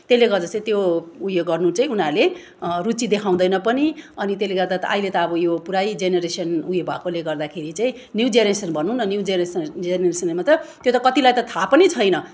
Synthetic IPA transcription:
t̪eleɡʌrd͡zʌt͡saĩt̪joujeɡʌrnut͡saĩunale | rut͡sid̪ekʰaw̃d̪ʌjnʌpʌniʌnit̪eleɡʌrd̪at̪ʌ̰ʔa̰ilet̪ʌːbʌjopuɾajd͡zeneɾesʌnujebʱʌ̰koleɡʌrd̪akʰeɾit͡saĩ | njud͡zeɾesʌnbʱʌnuɦunʌnjuwd͡zeɾesd͡zeneresʌnmat̪ʌt̪jot̪ʌkʌt̪ilajt̪ʌt̪ʰapʌnit͡sʰʌjnʌ

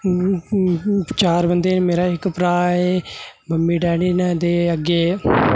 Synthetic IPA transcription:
t͡ʃaːɾbənd̪eːnmeːɾaːɪkpɾaːeːməmːiːʈɛːɽiːnɛːd̪eːəɡːeː

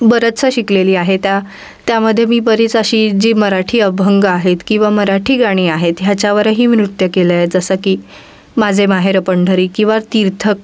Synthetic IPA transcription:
bəɾət̪t͡səɕikleliːaɦet̪ja | t̪jaməd̪ʱːjemiːbəɾiːt͡saɕiːd͡ʑiːməɾaʈʰiːəbʱəŋɡaɦet̪kĩw̃ʋaməɾaʈʰiːɡaɽ̃iːaɦet̪ɦjat͡ɕjaʋəɾəɦiːʋɾut̪jəkeləjed͡zəsəkiː | mad͡zʱemaɦeɾəpəɳɖʱəɾiːkĩw̃ʋat̪iɾt̪ʰək̚

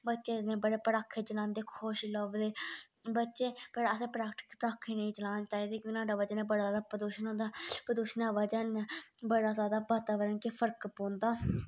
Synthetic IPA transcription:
bətːʃeːsnẽːbəɽeːpəɽaːkʰːeːt͡ʃəlaːnd̪eːkʰoːʃləbd̪eː | bətːʃeːpəɾəsẽːpɾaːkʈɪ̥kpəɾaːkʰːeːnəĩːt͡ʃəlaːnt͡ʃaːiːd̪eːkõːknãːɖaːʋəd͡ʒənẽːbəɽaːzaːd̪aːpəd̪uːʃənɦõːnd̪aːpəɾd̪uːʃnaːʋəd͡ʒənbəɽaːzaːd̪aːbaːt̪aːʋəɾənkepʰəɾkpõːnd̪aː

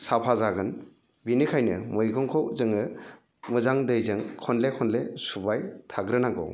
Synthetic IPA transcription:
sapʰazaɡɯn | binikʰajnɯ̰mɯjɡɔŋkʰɔwzɯŋɯ | mɯzaŋdɯjzɯŋkʰɔnlekʰɔnlesubajtʰaɡɾɯnaɡɔ̰w

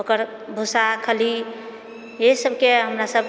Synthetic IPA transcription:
okəɾ | bʱusakʰəli | jesəb̚keɦəmɾasəb

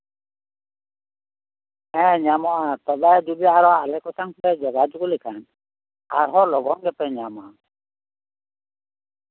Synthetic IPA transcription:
ɛ̃ɲamɔat̪ɔbad͡ʒubiaɾɔalɛkɔsaŋpbɛd͡ʒɔɡad͡ʒuɡɔlɛkʰan | a̰ɾɦɔlɔɡɔŋɡɛpɛɲamɔa

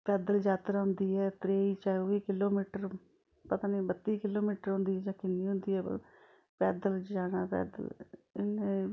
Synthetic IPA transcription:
pɛːd̪əld͡ʒaːt̪ɾaɦʊnd̪iːɛːt̪ɾeːiːt͡ʃaːoiːkɪloːmiːʈəɾ | pət̪ãːniːbət̪ːiːkɪloːmiːʈəɾɦʊ̃nd̪iːɛːd͡ʒãːkɪnːiːɦʊ̃nd̪iːɛ̰ː | pɛːd̪əld͡ʒaːɽaːpɛ̰ːd̪ə̰lɪneː

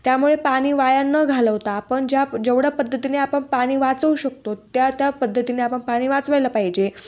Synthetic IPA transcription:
t̪jamuɭepaɽ̃iːʋajanːəɡʱaləʋt̪aːpəɳd͡ʑjad͡ʑeʋɽapəd̪ʱːət̪ineapəɳpaɽ̃iːʋat͡səʋuɕək̚t̪ot̪jat̪japəd̪ʱːət̪ineapəɳpaɽ̃iːʋat͡sʋajləpaɦid͡ʑe

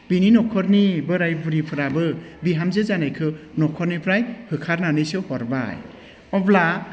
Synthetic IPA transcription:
bininɔkʰɔɾnibɯɾajbuɾipʰɯɾabɯbiɦamzɯzanajkʰɯnɔkʰɔɾnipʰɾajhɯkʰaɾnanɯjsɯhɔɾba̰j | ɔbla

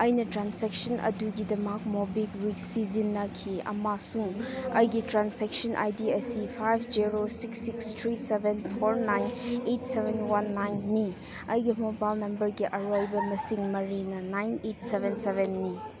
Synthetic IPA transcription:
ɐjnɐtɾansek̚sɐnʔɐ̰duɡidɐmak̚mobikwiksizinːɐkʰiɐ̰masuŋɐjɡitɾansek̚sɐnʔa̰jdiɐsipʰajbʰd͡ʒiɾosiksːikstʰɾisebʱenpʰoɾnajnejtsebenwanːajnːi | ɐjɡimobajlnɐmbɐɾɡiʔɐɾojbɐmɐsiŋmɐɾinɐnajnet̚sebensebenːi

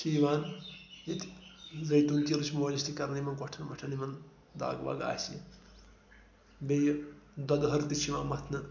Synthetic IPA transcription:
siːʋaːnjit̪ʰzɐjt̪unt̪iɾit͡ʃʰmulist̪ʰikɐɾnimɐnɡɔʈʰɐnbɐʈʰɐnimɐn | d̪a̰ːɡʋa̰ɡa̰ːsi | bejd̪ɔd̪ɦɐɾt̪it͡ʃʰiʋa̰ːnmɐt̪ʰnɐ

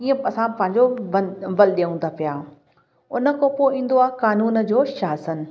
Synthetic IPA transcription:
iːẽɐsãpɐ̃ɦɪ̃ɲd͡ʑoʋɐlɗeːũnd̪apijaː | ʊnə̆kopoĩːnd̪oaːkaːnuːnə̆d͡ʑoːʃaːsən

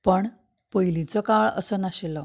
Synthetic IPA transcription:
pəɳ | pəjlit͡səkaɭə̰sənaɕelə

